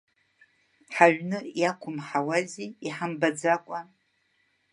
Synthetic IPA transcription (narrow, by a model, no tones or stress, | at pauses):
ħaɥnɨjakʷʰʊmħawaziiħambad͡zakʷʼa